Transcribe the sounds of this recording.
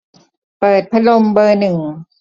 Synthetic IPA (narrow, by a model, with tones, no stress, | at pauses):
pɤː˨˩t̪̚pʰa˧lo˧mbɤː˧nɯ˨˩ŋ